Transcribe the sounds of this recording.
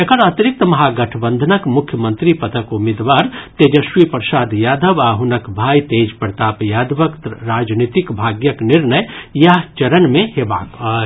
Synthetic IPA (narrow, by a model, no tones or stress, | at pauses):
ekəɾɐt̪iɾɪk̚t̪əmɐɦaɡɐʈʰbə̃nd̪ʱənəkmʊkʰjəmə̃nt̪ɾipɐt̪əkumed̪ʋaːɾt̪eːd͡ʒəʃʋipɾsaːd̪jaːd̪ʱəʋaːɦunəkbʱaːjt̪eːd͡ʒpɾt̪aːpjaːd̪ʋəkt̪ɾaːd͡ʒnit̪ikbʱaːɡjəknɪɾnəjjaɦt͡ʃɐɾənmẽɦeːba̰ːkɔ